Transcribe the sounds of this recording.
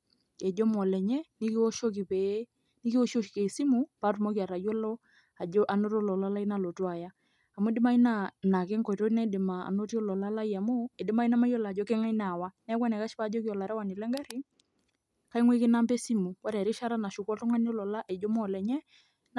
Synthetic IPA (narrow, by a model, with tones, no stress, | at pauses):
ɛ˨d͡ʒɔ˦mɔ˨lɛ˨ɲɛ˦ni˦ko˦ʃo˦ki˨pɛ˨˦ | ni˦ki˦o˦ʃo˦ki˨ke˨i˨si˦mu˨pa˦tu˨mo˦ki˦a˨ɾa˨jɔ˦lɔ˦ | a˨ɔ˦ʔa˨no˦tɔ˦˨lɔ˨la˦la˦i˦na˦˨lo˨twa˨ja˦ | a˨mo˦dɪ˦ma˦i˦na˦na˨ke˦ŋkɔ˨i˨to˦i˦na˦dɪ˨ma˨a̰˨no˦ti˦ɔ˦lɔ˨la˦la˦ja˨mo˦e˨dɪ˦ma˦i˦na˦ma˦jɔ˦la˨d͡ʒɔ˦ke˦ŋa˦i˦na˨wa˦nɛ˦kwa˦nɛ˨ka˦ʃpa˦d͡ʒɔ˦ki˦ɔ˨la˨ɾɛ˦wa˨ni˨lɛ˦ŋɡa˦ɾi˦ | ka˦i˦ŋwe˦kɪ˦na˦mbɛ˦si˦mu˨wa˦ɾɛ˨ɾi˦ʃa˦ɾa˦na˨ʃu˨kɔ˦tɔ˦ŋa˦ni˦ɔ˦lɔ˨la˦ʔɛ˨d͡ʒɔ˦mɔ˨lɛ˨ɲɛ˦